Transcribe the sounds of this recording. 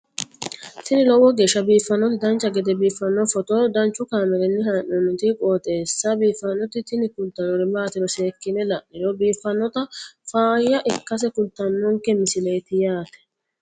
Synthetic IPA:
t̪ɪnɪlɔwɔɡeːʃːɐbiːfːɐnːɔt̪ɪd̪ɐnt͡ʃːɐɡɛd̪ɛbiːfːɐnːɔfɔt̪oːd̪ɐnt͡ʃːʊkaːmɛɾɛnːɪɦaːʔːɔnːʊt̪ikʼoːt̪ʼeːsːabiːfːɐnːɔt̪ɪt̪ɪnɪkʊnt̪ːɐnɔɾɛbaːt̪ɪɾɔseːkːɪnɛlɐʔnɛɾɔbiːfːɐnːɔt̪ɐfaːjːɐʔɪkːɐs̬ɛkʊnt̪ːɐnːɔŋkɛmɪsɪleːt̪ɪjaːt̪ɛ̥

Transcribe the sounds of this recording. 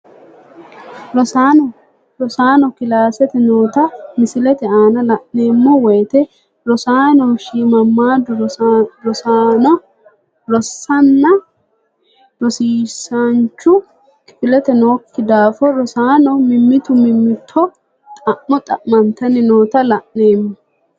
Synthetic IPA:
ɾɔa | ɾɔsaːnɔkɪlaːsɛt̪ɛnoːt̪ɐmɪsɪlɛt̪ɛaːnɐlɐʔneːmːɔwɛjt̪ɛ | ɾɔsaːnɔʃiːmɐmːaːd̪ʊɾɔsanɔ | ɾɔsːɐnːɐ | ɾɔsiːsant͡ʃːʊ | kɪ̥fɪlɛt̪ɛnoːkːɪd̪aːfɔɾɔsaːnɔmɪmːɪt̪ʊmɪmːɪt̪ʰːɔ | t̪ʼɐʔmɔt̪ʼɐʔmɐnt̪ɐnɪno̞ːt̪ɐlɐʔneːmːɔ

